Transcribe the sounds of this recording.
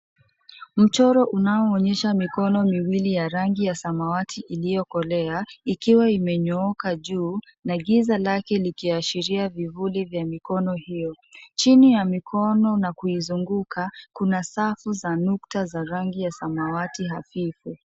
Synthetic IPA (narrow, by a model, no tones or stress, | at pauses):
m̩t͡ʃɔɾɔʔunaɔːɲɛʃamikɔnɔmiwilijaɾaŋɡijasamawatʰiʔilijɔkɔlɛaikiwaimɛɲɔɔkaʄuː | naɠizalakɛlikiaʃiɾiavivulivjamikɔnɔhijɔ | t͡ʃinijamikʰɔnɔnakuizuŋɡukʰakunasafuzanuktazaɾaŋɡijasamawatiɦafifu